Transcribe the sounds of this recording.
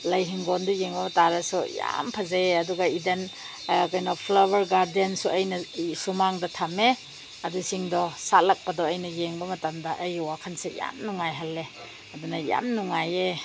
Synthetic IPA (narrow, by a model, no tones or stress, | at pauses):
lɐjɦiŋɡɔndɔjeŋbɐmɐtaɾɐsuja̰mpʰazaeɐduɡaiden | kɔjnɔpʰlabɐɾɡaɾdiansuɐjnɐsumaŋdɐtʰame | ɐdusiŋdɔsatlak̚padɔɐjnɐjeŋbɐmɐtamdɐʔɐjwakʰansaja̰mnuŋajɦalːe | ɐdunɐja̰mnuŋaje